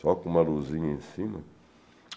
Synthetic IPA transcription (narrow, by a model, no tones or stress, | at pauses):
akumaloziɲinsima